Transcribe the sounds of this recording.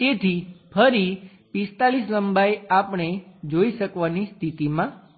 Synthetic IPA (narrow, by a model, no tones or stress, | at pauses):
t̪et̪ʰipʰəɾi | pist̪alisləmbajapɳ̃ed͡ʒoiʃəkʋanist̪ʰit̪imã